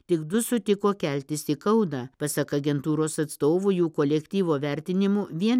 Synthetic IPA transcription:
t̪ʲɪɡd̪ʊsʊt̪ʲɪkoːkʲɛlʲt̪ʲɪsikɐʊd̪ɑːpɐsɐkɐɡʲɛnt̪uːɾoːsɐt̪st̪oːʋʊjuːkoːlʲɛkʲt̪ʲiːʋoːʋʲɛɾʲt̪ʲɪnʲɪmuʋʲiɛn

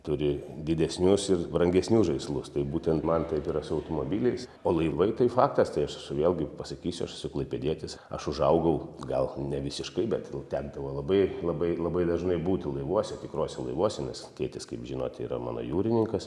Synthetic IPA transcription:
t̪ʊɾʲɪd̪ʲɪd̪ʲɛsʲnʲʊsɪrbɾɐŋʲɡʲɛsʲnʲusʒɐɪslˠʊst̪ɐɪbuːt̪ʲɛnt̪mɐnt̪ɐɪpiːɾɐsʊɐʊt̪omoːbʲiːlʲɛɪsoːlˠɐɪʋɐɪt̪ɐɪfɑːkt̪ɐst̪ɐɪɐʃsʊʋʲeːlʲˠɡʲɪpɐsɐkʲiːsʲʊɐʃsʊklˠɐɪpʲɛd̪ʲiɛt̪ʲɪsɐ̰ʃʊʒɐʊɡɐʊɡɐlˠnʲɛʋʲɪsʲɪʃkɐɪbʲɛt̪t̪ʲæːɡd̪ɐʋoːlˠɐbɐɪlˠɐbɐɪlˠɐbɐɪd̪ɐʒnɐɪbuːt̪ʲɪlˠɐɪʋuɔsʲɛt̪ʲɪkɾoːsʲɛlˠɐɪʋuɔsʲɛnʲɛstʲeːt̪ʲɪskɐɪpʒʲɪno̰ːt̪ʲḭːɾɐ̰mɑ̰ːno̰ːjuːɾʲɪnʲɪŋkɐs

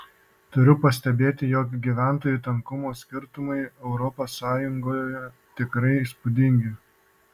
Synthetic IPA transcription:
t̪ʊɾʲʊpɐsʲt̪ʲɛbʲeːt̪ʲɪjɔːkɡʲiːʋʲæˑnt̪oːjut̪ɐŋkʊmoːsʲkʲɪɾt̪ʊmɐɪɛʊɾɔposːɑːjʊŋɡoːjjɛ | t̪ʲɪkɾɐɪispʊd̪ʲɪŋʲɡʲɪ

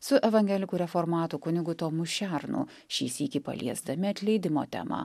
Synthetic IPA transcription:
sʊʔɛʋɐŋʲɡʲɛlʲɪkuːɾʲɛfoːɾmɑːt̪uːkʊnʲɪɡʊt̪oːmʊʃʲæɾnṵ | ʃʲḭːsʲiːkʲipɐ̰lʲḭɛzd̪ɐmʲɪɐt̪ʲlʲɛɪd̪ʲɪmo̰ːt̪ʲɛ̰mɐ̰

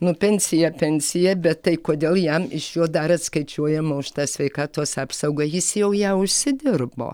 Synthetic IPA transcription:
nʊpʲɛnʲsʲɪjɛpʲɛnʲsʲɪjɛbʲɛt̪tɐɪkoːd̪ʲeːlˠjɛmɪʃjuːd̪ɐɾɐt̪skɐɪt͡ʃʲuɔjɛmoːʃʲt̪ɑːsʲʋʲɛɪkɑːt̪oːsɑːpsɐʊɡɐjɪsjɛʊjæːʊʃʲsʲɪd̪ʲɪrbo̰ː

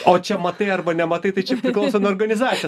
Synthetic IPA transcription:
oːt͡ʃʲɛmɐt̪ɐɪɐrbɐnʲɛmɐt̪ɐɪt̪ɐɪt͡ʃʲɛpʲɾʲɪklˠɐʊsonʊoːrɡɐnʲɪzɑːt͡s̪ʲɪj

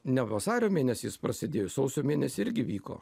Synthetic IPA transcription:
nʲɛʋɐsɑːɾʲoːmʲeːnʲɛsʲispɾɐsʲɪd̪ʲeːjoːsɒʊsʲoːmʲeːnʲɛsʲɪɪɾʲɡʲɪʋʲiːko̰ː

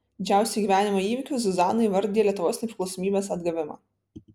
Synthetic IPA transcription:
d̪ʲɪd͡ʒʲæˑʊsʲɛɡʲiːʋʲæːnʲɪmoːiːʋʲɪkʲʊsʲɛzɑːnɐɪʋɐɾʲd̪ʲiːɛlʲiɛt̪ʊʋoːsnɛpʲɾʲɪklˠɔʊsoɔmʲiːbʲeːsɐd̪ɡɐʋʲɪmɑ̰ː

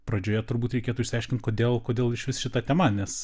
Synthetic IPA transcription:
pɾɐd͡ʒʲoːjɛt̪ʊɾbuːt̪ɾʲɛɪkʲeːt̪ʊɪʃsʲɐɪʃʲkʲɪnt̪koːd̪ʲeːlˠkoːd̪ʲeːlˠɪʃʋʲɪsʃʲɪt̪ɐt̪ʲɛmɐnʲɛs

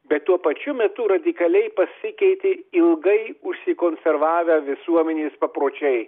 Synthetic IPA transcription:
bʲɛt̪t̪ːuɔpɐt͡ʃʲʊmʲɛt̪ʊɾɐd̪ʲɪkɐlʲɛɪpɐsʲɪkʲɛɪt̪ʲɪɪlˠɡɐɪʊʃʲsʲɪkoːnʲsʲɛɾʋɑːʋʲɛʋʲɪsuɔmʲɛnʲeːspɐpɾoːt͡ʃʲɛɪ

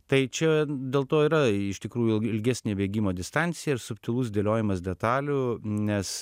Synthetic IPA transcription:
t̪ɐɪt͡ʃʲɛd̪ʲeːlˠt̪oːiːɾɐɪʃt̪ʲɪkɾuːjulɪlʲɡʲæːsʲnʲeːʋʲeːɡʲiːmoːd̪ʲɪst̪ɑnʲt̪sʲɪjɛɪɾsʊpʲt̪ʲɪlˠuːsd̪ʲeːlʲoːjɪmɐs̬d̪ʲɛt̪ɑːlʲunʲɛs

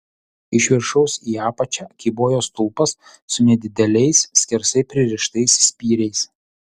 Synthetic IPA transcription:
ɪʃʲʋʲɪɾʃɐʊsiːɑːpɐt͡ʃʲæːkʲiboːjoːst̪ʊlˠpɐsː | ʊnʲɛd̪ʲɪd̪ʲɛlʲɛɪssʲkʲɪɾsɐɪpʲɾʲɪɾʲɪʃt̪ɐɪssʲpʲiːɾʲɛɪs

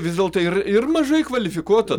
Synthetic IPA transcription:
ʋʲɪzʲdʲeːlˠt̪oɪrɪrmɐʒɐɪkʋɐlʲɪfʲɪkuɔt̪ɐ

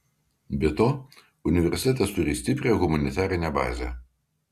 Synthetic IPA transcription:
bʲɛt̪oː | ʊnʲɪʋʲɛɾʲsʲɪt̪ʲɛːt̪ɐst̪ʊɾʲiːsʲt̪ʲɪpʲɾʲeːɣʊmɐnʲɪt̪ʲæːɾʲɪnʲɛbɑ̰ːzʲɛ̰

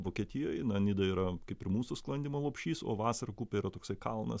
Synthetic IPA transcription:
ʋoːkʲiɛt̪ʲɪjojnɐnʲɪd̪ɐiːɾɐkɐɪpɪɾmuːsusklˠɐnd̪ʲɪmɐlˠoːpʲʃʲiːso̰ːʋɑːsɐɾɐkuːpʲɛiɾɐt̪oːksɐɪkɐlˠnɐ̰s

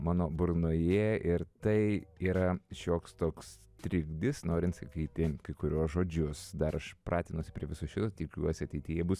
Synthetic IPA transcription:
mɑːnoːbʊɾnoːjeːɪɾt̪ɐɪiːɾɐʃʲoːkst̪oːks | t̪ʲɾʲɪɡd̪ʲɪsnoːɾʲɪnt̪sɐkʲiːt̪ʲɪkɐɪkʊɾʲuɔsʒoːd͡ʒʲʊsd̪ɐɾɐʃpɾʔɑːt̪ʲɪnuɔsʲɪ̥pʲɾʲiɛʋʲɪsʊsʃʲɪt̪oːt̪ʲɪkʲṵɔsʲɪɐt̪ʲɛɪt̪ʲɪjɛbʊs

